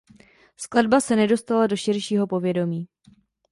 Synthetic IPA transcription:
sklad̚basɛnɛdo̞st̪alado̞ʃɪɾʃiːɦo̞po̞vjɛdo̞miː

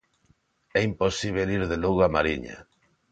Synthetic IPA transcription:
ɛimposiβ̞eliɾðeloɣamaɾiɲa̰

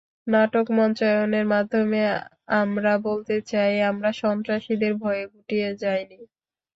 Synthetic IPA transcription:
naʈokmɔnt͡ɕajoneɾmad̪ʱːome | amɾabolt̪et͡ɕajamɾaʃɔnt̪ɾaʃid̪eɾbʱɔeebuʈijed͡ʑajni

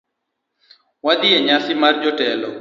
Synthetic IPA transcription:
wad̪ijeɲasɪmard͡ʒɔʈɛlɔ

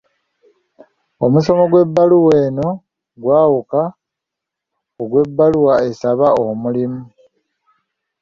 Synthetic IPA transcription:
o̞muso̞mo̞ɡwe̞bːaluwe̞ːno̞ | ɡwaːwuka | oɡwe̞bːaluwae̞saβaomulimu

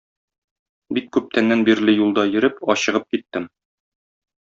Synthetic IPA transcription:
bikːʉp̚t̪ænːænbiɾlɘjulˠd̪ɑjɘ̆ɾɘpɒɕɤ̆ʁɤp̚kit̪ːɘm

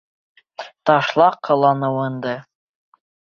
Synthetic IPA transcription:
t̪ɑʃlˠɑqʰːɤ̆lˠɑnɤwɤ̆nd̪ɤ

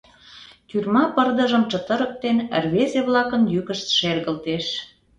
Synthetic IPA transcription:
kyrmɑpərd̪ə̆ʒəmt͡ʃət̪əɾə̆k̚t̪enərβezeβlɑkənjykəʃt̪ʃerɣəlt̪eʃ

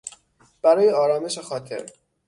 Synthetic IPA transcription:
b̥æɾɒːjeɒːɾɒːme̞ʃexɒːt̪ʰḛɾ

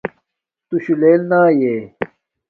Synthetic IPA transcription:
t̪uɕuleːlnaːjeː

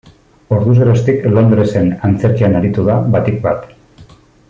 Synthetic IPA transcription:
o̞ɾðuzeɾost̪iklo̞nd̪ɾe̞se̞nant͡se̞ɾkianaɾit̪uðaβat̪ik̚bat̪

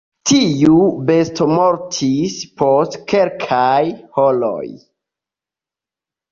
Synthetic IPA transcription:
tʰijubestomoɾtʰispʰostkelkʰajholo̰j

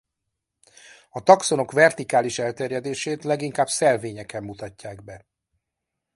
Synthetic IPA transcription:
ɒt̪ɒkso̞no̞kvɛrt̪ikaːliʃɛlt̪ɛrjɛd̪eːʃeːt̪lɛɡiŋkaːbsɛlveːɲɛkɛmːut̪ɒcːaːɡbɛ

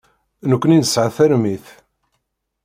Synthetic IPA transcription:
nəkʷːninəsʕaθæɾmiθ

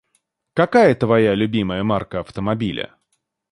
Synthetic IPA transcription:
kɐkajət̪vɐjalʲʊbʲiməjəmarkəɐft̪əmɐbʲilʲə̰

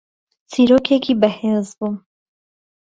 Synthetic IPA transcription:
t͡sʰiɾoːkʰekʰiːbɛheːzbu

